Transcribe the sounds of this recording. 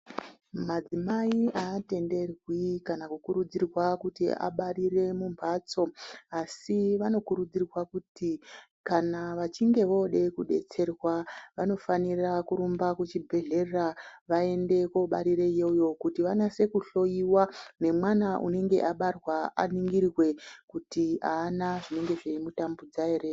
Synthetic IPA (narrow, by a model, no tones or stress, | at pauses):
mad͡zimaiʔaːte̞nde̞rwikanakukuɾud͡zirwakutḭʔa̰ɓaɾire̞mumbat͡so̞asiʋano̞kuɾud͡zirwakuti | kanaʋat͡ʃiŋɡe̞ʋo̞ɗe̞kuɗe̞̰t͡se̞rwaʋano̞fanirakuɾumbakut͡ʃibʱe̞ɮe̞raʋae̞nde̞ko̞ɓaɾiɾe̞je̞jo̞kutiʋanase̞kuɬo̞iwane̞mwanaʔṵne̞ŋɡe̞̰ʔaɓarwaa̰niŋɡirrwe̞kutiaːnaʐine̞ŋɡe̞ʐeimutambud͡zaere